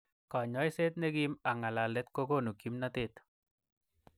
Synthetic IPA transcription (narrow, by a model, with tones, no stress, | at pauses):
ka˨ɲɔ˦jse˦t̪̚ne˦ɡi˦ma˨ŋa˨la˨lɛ˦t̪ko˦ɡo˦˨nu˨ki˦mnat̪ɪ˦t̪